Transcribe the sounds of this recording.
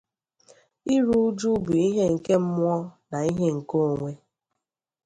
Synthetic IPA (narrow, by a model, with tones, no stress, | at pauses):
i˦ɾu˦d͡ʒu˦bu˨i˦ɦe˦ŋ̩˨ke˦m̩˦mʊ˦ɔ˦na˨i˦ɦe˦ŋ̩˨ko˦˨ŋʷe˦